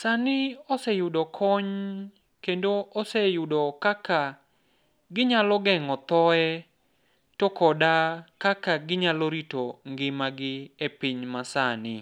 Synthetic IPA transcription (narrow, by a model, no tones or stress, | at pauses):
sanɪɔsɛjʊdɔkʰɔɲ | kendoʔɔsejʊdɔkaka | ɡɪɲalɔɡɛŋɔt̪ɔɛ | tokɔdakakaɡɪɲaloɾitoŋɡɪmaɡɪepiɲmasanɪ